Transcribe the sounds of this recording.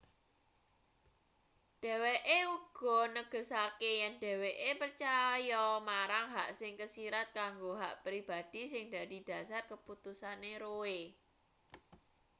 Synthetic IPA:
ɖ̥ɛ̤weʔeuɡ̥ɔ̤nəɡ̥ə̤sakejɛnɖ̥ɛ̤weʔepərt͡ʃajɔmaɾaŋɦaʔsɪŋkəsiɾat̪̚kaŋɡoɦaʔpɾib̥ad̥i̤sɪŋd̪a̤d̥i̤d̥ä̤sarkəput̪usaneɾoe

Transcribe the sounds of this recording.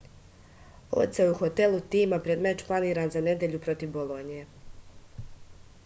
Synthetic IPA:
o̰t̪seuxo̞t̪elut̪iːmapɾed̪met͡ʃplˠaniːɾaːnzane̞d̪eʎupɾo̞t̪iʋbolˠonije

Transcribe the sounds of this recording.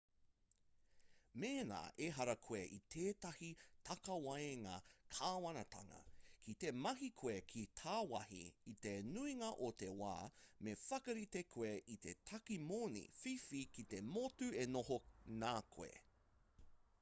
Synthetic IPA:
meːna̰ːʔeɦɐɾɐkʰoeʔit̪ʰeːtɐhit̪ʰɐkɐwɐeŋakʰaːwɐnɐt̪ʰɐ̰ŋɐ̰kʰit̪e̞mɐɦikʰoekʰitʰaːwɐhḭːt̪enuiŋɐʔot̪e̞wa̰ːmefɐkɐɾit̪ekʰoeʔit̪etʰɐkimonḭfifikit̪emotuenoɦonaːkʰo̰ḛ

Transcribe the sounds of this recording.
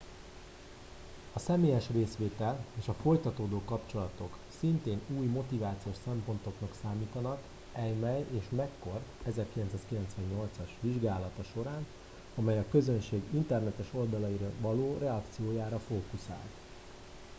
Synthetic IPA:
ɒsɛmeːjɛʃreːsʋeːt̪ɛleːʃɒfo̞jt̪ɒt̪oːd̪oːkɒpt͡ʃo̞lɒt̪o̞ksint̪eːnuːjmo̞t̪ivaːt̪sijoːʃsɛmpo̞nt̪o̞knɒksaːmiːt̪ɒnɒk | ɛjmɛjeːʃmɛkːo̞rɛzɛrkilɛnsaːskilɛnt̪sʋɛɲɲo̞lt̪sɒʃʋiʒɡaːlɒt̪ɒʃo̞ɾaːn | ɒmɛjɒkø̞zønʃeːɡint̪ɛrnɛt̪ɛʃo̞ld̪ɒlɒjiɾɒvɒloːrɛɒkt̪sijoːjaːɾɒfoːkusa̰ːlt̪

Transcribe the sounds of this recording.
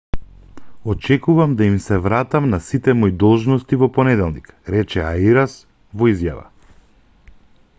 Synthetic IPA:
ɔt͡ʃɛkuvamd̪aimsɛvɾat̪amnasit̪ɛmɔjd̪ɔlˠʒnɔst̪ivɔpɔnɛd̪ɛlˠnikɾɛt͡ʃɛa̰iɾas | vɔizjava̰

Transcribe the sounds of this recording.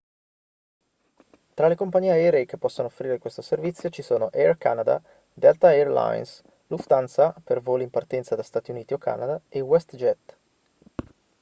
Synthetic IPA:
t̪ɾalekompaɲiːeaɛɾeːkepːɔsːonoːfːɾiːɾekwest̪oservit̪sːjot͡ʃisoːnoʔɛrka̰ːnad̪a̰ | d̪ɛlt̪aɛrla̰jns | luft̪ant̪sapervoːlimpart̪ɛnt̪sad̪ast̪aːt̪iuniːt̪iokʰːa̰ːnad̪aewɛst̪d͡ʒɛt̪

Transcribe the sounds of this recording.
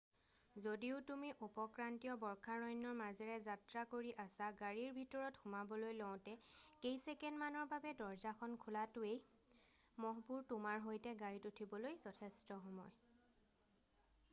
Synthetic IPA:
zodiʊtumiʔupɔkɹantijɔbɔɹkʰaɹɔjnːɔɹmazɛɹɛzatɹakoɹiʔasaɡaɹiɹbʱitɔɹɔtxʊmabɔlojlɔw̃tɛkejsɛkɛndmanɔɹbabɛdɔɹzakʰɔnkʰʊlatʊej | mɔɦpuɹtʊmaɹɦojtɛɡaɹitutʰibɔlojzɔtʰɛstɔxɔmɔj

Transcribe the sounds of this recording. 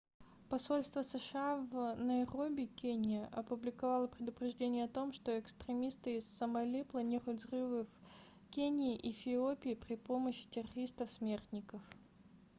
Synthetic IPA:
pɐso̞lʲst̪vəsəʂɨavnɐjrobʲɪkʲenʲɪjəʔɐpʊblʲɪkɐvalˠəpɾʲɪd̪ʊpɾʲɪʐdʲenʲɪjəɐt̪o̞mʂt̪o̞ɪkst̪ɾʲɪmʲist̪ɨːssəmɐlʲiplˠɐnʲiɾʊjt̪zrɨvɨf | kʲenʲɪːʔifʲɪopʲɪːpɾʲɪpoməɕːɪ̥tʲɪrɐɾʲist̪əfsmʲert̪nʲɪkəf

